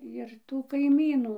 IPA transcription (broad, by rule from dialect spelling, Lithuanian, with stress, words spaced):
jɪr tuː kɐɪˈmʲiːnuː